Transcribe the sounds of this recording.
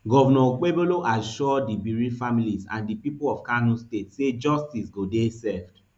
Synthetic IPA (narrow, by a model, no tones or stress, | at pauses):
ɡɔvɛnɔk͡peboloʔaʃɔdibiɹifamilisã̰ndipipolɔvkanũstetsed͡ʒɔstisɡodesɛfd